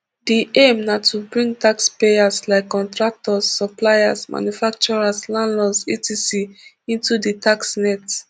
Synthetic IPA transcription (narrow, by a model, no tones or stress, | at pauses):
diʔemnatʰubɹĩŋtakspeaslaɪkːɔ̃ntɹak̚tɔsːɔplaɪasmʔa̰njufak̚t͡ʃɔɹaslãnlɔsitisi | ĩntuditaksnɛt